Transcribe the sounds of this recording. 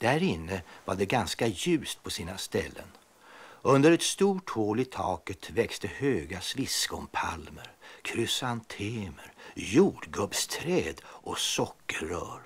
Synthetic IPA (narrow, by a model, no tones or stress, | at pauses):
d̪̥æɾɪnːəvaɖɛɡanskajʉ̟ːst̪̚pʰɔsiːnast̪ɛlːə̰n | ʔɵnd̪əɾɛt̪st̪uːʈhoːlɪt̪ʰɑ̰ːkət̪vɛkst̪əhøːɡasvɪskɔmpʰalməɾkʰɾʏsant̪ʰeːməɾjuːɖɡɵbst̪ʰɾɛːd̪ʔɔsɔkːəɾœ̰ːɾ